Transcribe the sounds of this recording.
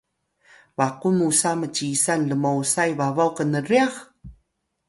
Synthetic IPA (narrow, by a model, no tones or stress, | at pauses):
vaqunusamət͡ɕisanləmowsajvavawkənəriax